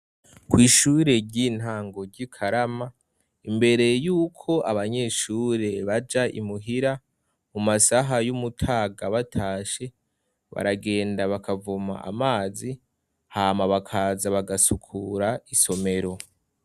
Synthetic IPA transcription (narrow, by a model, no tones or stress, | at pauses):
kwiːʃuːɾe̞ɾɟin̥haːŋɡo̞ɾɟikʰaɾama | imbe̞ɾe̞juːkʰo̞ʔaβaɲe̞ːʃuːɾe̞βad͡ʒaʔḭmuɦiɾa | mumasaɦajumutʰaːɡaβatʰaːʃe̞ | βa̰ɾaɡe̞ːndaβakavuma̰ʔa̰maːzi | haːmaβakʰaːzaβaɡasukʰuɾaiso̞me̞ɾo̞